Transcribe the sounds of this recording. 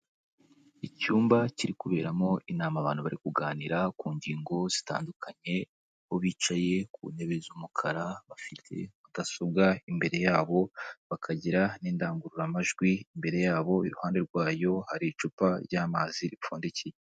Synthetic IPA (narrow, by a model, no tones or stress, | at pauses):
icuːmbaciɾikuβe̞ːɾamo̞ʔinaːmaβa̰ːn̥huβaɾikuɡaːniɾakuːɲɟiːŋɡo̞z̥ita̰ːndukʰaɲe̞ | hoβiːt͡ʃaje̞k̚ṵːne̞βezumukʰaɾaβafitʰḛβaɡasob̚ɡaimbe̞ɾe̞jaːβo̞βakʰaɟiɾaniːndaːŋɡuɾuɾamaʒɡwiimbe̞ɾe̞jaːβo̞iɾuhaːnde̞ɾɡwaːjo̞haɾit͡ʃuːpaɾɟaːmaziɾifuːndecije